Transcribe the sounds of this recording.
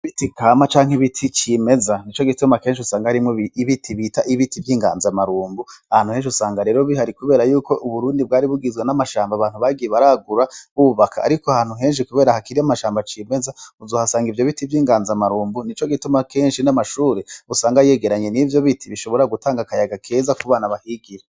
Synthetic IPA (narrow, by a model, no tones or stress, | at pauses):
βitikamat͡ʃaːŋ̥iβitʰit͡ʃime̞zanit͡ʃo̞ɡitumakeːnʃiusaːŋɡahaɾimŋoiβitʰiβitaʔiβitivjiːŋɡa̰ːnzamaɾuːmbuahaːnhuhe̞ːnʃiusaːŋɡaɾe̞ːɾo̞βihaɾikuβe̞ːɾajuːkoʔuβuɾuːndibɡaːɾiβuɡizɡwenamaʃaːmbaβaːn̥huβaɡiɾeβaɾaɡuɾaβuβuβakʰa̰ːɾikoahaːn̥uɦe̞ːnʃ̬ikuβe̞ːɾahakiɾiamaʃaːmbat͡ʃiːme̞zauzoːhasaːŋɡivjo̞βitivjiːŋɡaːnzamaɾuːmbunit͡ʃo̞ɡitumakeːnʃinamaʃuːɾeusaːŋɡaje̞ɡe̞ɾaɲe̞nivjo̞βitʰiβiʃo̞βo̞ɾaɡutʰaːŋɡakajaɡakʰe̞ːzakuβaːnaβahiːɡije